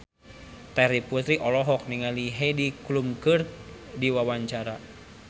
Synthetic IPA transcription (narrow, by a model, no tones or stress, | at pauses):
t̪aɾiput̪ɾiʔɔlɔɦɔk̚niŋaliɦediklumkɨrdiwawaɲt͡ʃaɾa